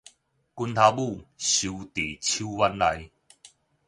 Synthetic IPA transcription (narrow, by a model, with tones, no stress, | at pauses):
ku˧nt̪ʰa˧bu˥˧ɕu˨˧t̪e˨˩t͡ɕʰu˦wa˦˧nla˧j